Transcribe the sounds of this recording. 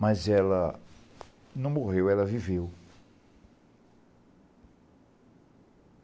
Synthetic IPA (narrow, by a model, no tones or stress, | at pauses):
mɐzɛlɐ | nɐ̃w̃moɣewɛlɐvivew